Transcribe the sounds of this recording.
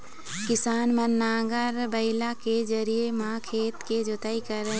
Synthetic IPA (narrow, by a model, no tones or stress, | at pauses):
kɪsaːnmənːaːɡəɾbəɪlaked͡ʒɐɾiemãkʰeːt̪ked͡ʒot̪aːikəɾə